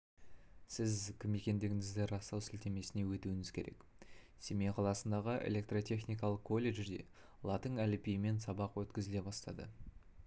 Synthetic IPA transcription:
sɪzkʲʰɪmːe̞kʲe̞nd̪eɡʲɪŋɪzd̪ɪɾɑst̪ɑwsɪlt̪e̞me̞sɪne̞wɵt̪uɪŋɪz̥kʲʰe̞ɾe̞̰k | semeqʰɑlˠɑsənd̪ɑʁəʔḛlʲe̞k̚t̪rot̪ʲʰe̞χnijkɑlˠəqkʰːo̞lʲːe̞ʒd̪e̞̰ | lˠɑt̪əŋælɪpijɪme̞nsɑbɑqwɵt̪kʲɪzɪle̞bɑst̪ɑ̰d̪ə̰

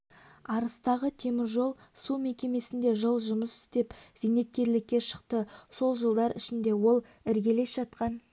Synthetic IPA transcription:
ɑɾəst̪ɑʁət̪ʰe̞mɪɾʒo̞lˠsume̞kʲe̞me̞sɪnd̪e̞ʒəlˠʒʊməsɪ̥st̪e̞pz̥ijne̞t̪̚kʲe̞ɾlɪkʲːe̞ʃə̥qt̪əso̞lˠʒəlˠd̪ɑɾɪ̰ʃɪnd̪e̞wo̞lˠ | ɪɾɡʲe̞le̞sʒ̥ɑt̪̚qɑn

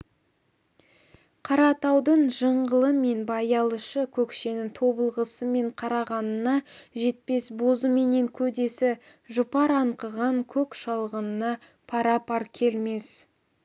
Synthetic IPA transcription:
qʰɑɾɑt̪ɑwd̪əɴʒəɴʁəlˠəme̞nbɑjɑlˠəʃəkʲʰɵkʃe̞nɪŋt̪ʰo̞bəlˠʁəsəme̞ɴqʰɑɾɑʁɑnənɑʒe̞t̪̚pe̞sbo̞zəme̞ne̞ŋkʲʰɵd̪e̞sɪ | ʒʊpɑɾɑɴqəʁɑŋkʲʰɵkʃɑlˠʁənənɑ | pʰɑɾɑpʰɑɾkʲʰe̞lme̞s

